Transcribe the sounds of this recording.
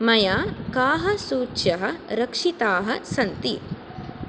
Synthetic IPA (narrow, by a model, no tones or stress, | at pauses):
mɐjaːkaːɦɐsuːtːʃjɐɦɐ̆ɾɐkʂit̪aːɦɐsɐnt̪ḭ